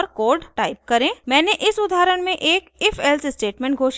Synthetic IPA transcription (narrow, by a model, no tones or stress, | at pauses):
ɔɾkoːɾɖʈaːɪp̚kɐɾẽːmɛ̃ːneʔɪsʊd̪ʱaːɾəɽ̃mẽʔeːkɪfʰɛlsɪsʈeːʈmɛ̃ːɳʈɡʱoːʃ